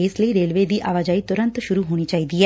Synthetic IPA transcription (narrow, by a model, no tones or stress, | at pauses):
ɪsləiːɾeːlʋeːd̪iːʔaːʋaːd͡ʒaːiːt̪ʊɾə̃nt̪ʃʊɾuɦoːñiːt͡ʃaːɦiːd̪iːɦɛː